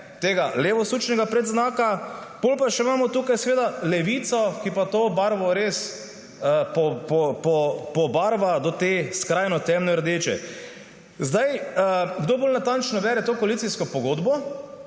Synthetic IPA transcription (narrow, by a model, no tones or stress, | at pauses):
t̪eːɡaleːʋɔsuːt͡ʃnɛɡapɾɛd̪znaːkab̥olpaʃɛmaːmɔt̪uːkajsɛʋeːd̪alɛʋit̪sɔkipat̪oːbaɾʋɔɾes | pɔɔpɔpɔbaːɾʋad̪ɔt̪eskɾaːjnɔt̪ɛmnɛɾd̪et͡ʃɛ̰ | zd̪ajəɡd̪oboːlnat̪ant͡ʃnɔbɛːɾɛt̪oːkoalit̪iskɔpɔɡoːd̪bɔ